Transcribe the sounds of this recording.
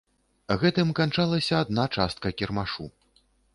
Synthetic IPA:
ɣɛt̪ɨmkant͡ʂalˠɐsʲɐːd̪nat͡ʂast̪̚kɐkʲɛrmaʂu

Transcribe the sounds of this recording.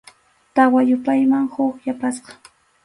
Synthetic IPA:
t̪awajʊpajmaŋhʊχjapasqɑ̥

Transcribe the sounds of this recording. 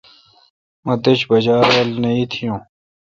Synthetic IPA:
mɐ̃d̪et͡ɕbɐd͡ʑaːɾwɐlnɐit̪ʰijũː

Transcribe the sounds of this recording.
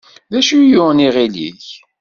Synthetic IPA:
ðæʃijʊniʁilḭç

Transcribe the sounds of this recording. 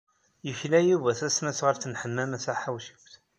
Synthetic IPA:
jəçlæjuvæθæsnæsʁəɾθənħəmːæmæsaħawʃə̥kʷθ

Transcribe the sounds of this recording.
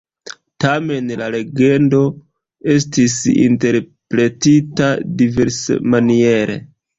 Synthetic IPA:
tame̞nlale̞ɡe̞ndo̞ | e̞stisḭnte̞ɾpɾe̞titadive̞ɾsḛmanie̞ɾe̞̰

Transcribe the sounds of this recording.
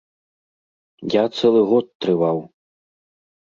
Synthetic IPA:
jat̪sɛlˠɨɣɔt̪ːɾɨvaw

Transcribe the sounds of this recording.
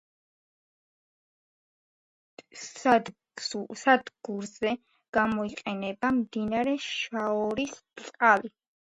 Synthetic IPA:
ad̪ | sad̪ɡuɾzɛ | ɡ̥amɔiqʼɛnɛbamd̪inaɾɛʃaɔɾist̪ʼqʼali

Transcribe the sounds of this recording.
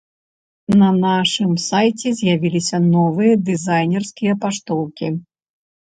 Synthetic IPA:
nɐnaʂɨmsajt͡sʲɛzʲjavʲilʲisʲɐnɔvɨjɐd̪ɨzajnʲɛrskʲijɐpaʂt̪ɔwkʲi

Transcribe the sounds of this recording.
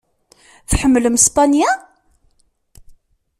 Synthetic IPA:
θħəmːələmspanja

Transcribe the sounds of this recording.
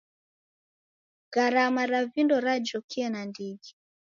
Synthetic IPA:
ɣaɾamaɾavindɔɾad͡ʒɔkiɛnandiɡi

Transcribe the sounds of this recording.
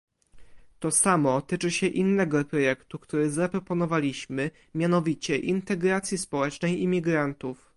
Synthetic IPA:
t̪ɔsamɔt̪ɘt͡ʂɘɕɛʔinːɛɡɔpɾɔjɛkt̪ukt̪uɾɘzapɾɔpɔnɔvalʲiɕmɘ | mʲjanɔvʲit͡ɕɛʔint̪ɛɡɾat̪sʲjispɔwɛt͡ʂnɛjimʲiɡɾant̪uf

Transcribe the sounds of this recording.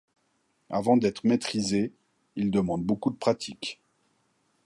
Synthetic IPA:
avɑ̃d̪ɛt̪χəmet̪χize | ild̪əmɑ̃d̪̚bokud̪əpχat̪ʰik

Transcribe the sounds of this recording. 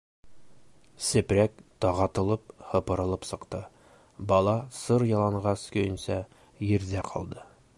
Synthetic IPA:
sɘ̆pɾækt̪ɒʁɑt̪ɤ̆lˠɤp̚hɤ̆pɤ̆ɾɤ̆lˠɤpsɤ̆qt̪ɤ | bɒlˠɑsɤɾjɒlˠɑɴʁɑskɵ̆jɵ̆nsɑ | jɘ̆ɾzæqʰɒ̰lˠd̪ɤ

